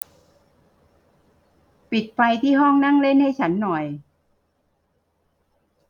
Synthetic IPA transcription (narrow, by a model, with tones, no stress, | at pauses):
pi˨˩t̪̚pa˧jt̪ʰiː˥˩ɦɔ˥˩ŋna˥˩ŋle˥˩nha˥˩jt͡ɕʰa˦˥nːɔ˨˩j